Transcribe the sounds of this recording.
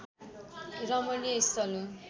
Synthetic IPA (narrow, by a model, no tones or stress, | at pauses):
rʌmʌnijʌist̪ʌlu